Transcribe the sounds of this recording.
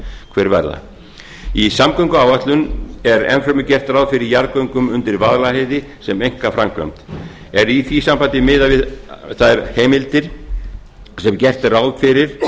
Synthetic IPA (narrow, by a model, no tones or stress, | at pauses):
kʰvɛɾvɛ̰ɾða̰ | isamkœɥŋkʏaːwvat̪lʏnɛɾɛ̰nfɾœmʏcɛr̥t̪raːwðfɪɾɪɾjaɾkœɥŋkʏmʏnt̪ɪɾvaðlahejðɪsɛmejŋ̥kafɾamkvœ̰mt̪ | ɛɾiθvisampant̪ɪmɪðavɪðθaðɛɾheːjmɪlt̪ɪɾ̥ | sɛmcɛr̥t̪rawðfɪɾɪɾ̥